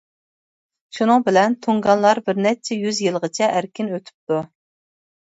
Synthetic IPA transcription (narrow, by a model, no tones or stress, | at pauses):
ʃunɨŋbɪlɛnt̪ʰuŋɡɑnlˠɑɾbɪɾnɛt͡ʃʰɛjyzjɨlˠʁət͡ʃʰɛʔæɾkʲinøt̪ʰy̥p̚t̪u